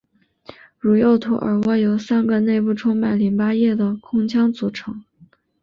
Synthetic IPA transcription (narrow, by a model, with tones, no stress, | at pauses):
ɻu˨˩jo˥˩ʊt̪ʰu˧˥ʔə̰˞˧˥wɔ˥jo˧˥ʊsa˥nɡə˥˧ne˥˧ɪpu˥˩ʈ͡ʂʰʊ˥ŋma˨˩nli˧˥npa˥jɛ˥˩d̪ə˩kʰʊ˥ŋt͡ɕʰjɑ˥ŋt͡su˨˧˩ʈ͡ʂʰɤ˧˥ŋ